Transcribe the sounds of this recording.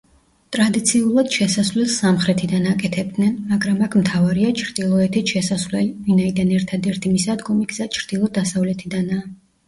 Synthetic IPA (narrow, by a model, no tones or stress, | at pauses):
t̪ʼɾad̪it̪sʰiulˠad̪̥ʃɛsasvlɛlˠsamχɾɛt̪ʰid̪anakʼɛt̪ʰɛb̚d̪nɛnmaɡɾamakʰmt̪ʰavaɾiat͡ʃʰɾd̪ilˠɔɛt̪ʰit̪ʃɛsasvlɛlivinaid̪anɛɾt̪ʰad̪ɛɾt̪ʰimisad̪ɡɔmiɡzat͡ʃʰɾd̪̥ilˠɔd̪asavlɛt̪ʰid̪anaː